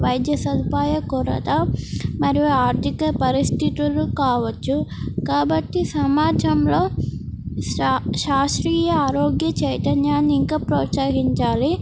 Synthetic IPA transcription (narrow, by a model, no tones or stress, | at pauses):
ʋɐjd̪jɐsɐd̪ʱipaːjɐkuɾɐ̰t̪ɐmɐɾijuaːɾt̪ikɐpɐɾist̪ʰit̪ilukaːʋɐt͡ʃːukaːbɐʈːisɐmaːd͡ʒɐmlo̞ː | ʃaːʂɾiːjɐaːɾoːɡjɐt͡ʃɐjt̪ɐnjaːnːiiŋkaːpɾoːsaːɦiɲt͡ʃaːli